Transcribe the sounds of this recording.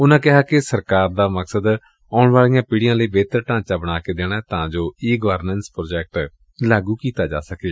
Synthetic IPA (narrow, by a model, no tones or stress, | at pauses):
ʊnãːkɪɦaːkɪsəɾkaːɾd̪aːməksəd̪ | ɔːʊɳʋaːɭijãːpiːɽijãːləiːbeːt̪əɾʈãːt͡ʃaːbəɽ̃aːkeːd̪eːɽ̃aːɛt̪ãːd͡ʒoːiːɡəʋəɾnənspɾoːd͡ʒɛːk̚ʈ | laːɡuːkiːt̪aːd͡ʒa̰ːsəkaː